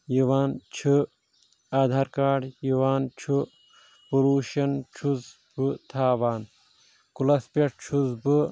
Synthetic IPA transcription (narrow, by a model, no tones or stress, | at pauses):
jiʋaːnt͡ʃʰɨ | aːd̪ʱaːɾkaːɖjiʋaːnt͡ʃʰu | poluːʃɐnt͡ʃʰuz | bɨt̪ʰaːʋaːn | kulɐspʲeʈt͡ʃʰuzbɨ